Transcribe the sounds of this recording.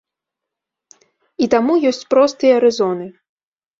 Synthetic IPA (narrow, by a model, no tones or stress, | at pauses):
it̪amujɔsʲt͡sʲpɾɔst̪ɨjɐɐɾɨzɔnɨ